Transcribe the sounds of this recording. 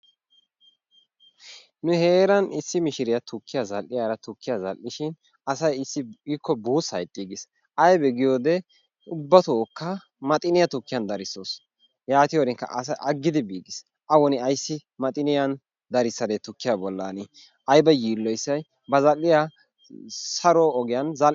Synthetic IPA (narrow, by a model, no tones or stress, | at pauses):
nʊhe̞ːɾɐnɪsːɪmɪʃɪɾɪjat̪ʊkʰːɪjazɐlʔːɪjaːɾɐt̪ʊkːɪjazɐlʔːɪʃɪn | ɐsɐjɪsːɪikʰːɔbuːsɐjt̪ʼːiːɡɪs | ʔɐjbɛɡɪjoːd̪ɛ | ʊbːɐt̪ɔːkːɐ | mɐt̪ʼɪnɪjɐt̪ʊkːɪjɐnd̪ɐɾɪsːoːs | jaːt̪ɪjoːɾɪŋkːɐ̰ʔɐsɐʔɐɡːɪd̪ɪbiːɡɪs | ʔɐwɔnɪɐjsːɪmɐt̪ʼɪnɪjɐn | d̪ɐɾɪsːɐd̪ɛt̪ʊkːɪjabɔlːɐnɪ | ʔɐjbɐjiːlːɔjsːɐj | bɐzɐlːɪja | sɐɾoːɔɡɪjɐnzɐl